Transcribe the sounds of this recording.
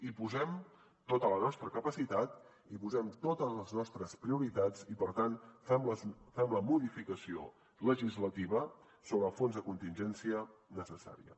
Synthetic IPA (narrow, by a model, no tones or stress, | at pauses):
ipuzɛm | t̪ot̪ələnɔst̪ɾəkəpəsit̪at̪ | ipuzɛmt̪ot̪ələznɔst̪ɾəspɾiuɾit̪ad͡zipəɾt̪anfɛmləfɛmləmuðifikəsio̰ | ləʒizlət̪iβə | soβɾəfonzðəkunt̪inʒɛnsiənəsəsa̰ɾiə̰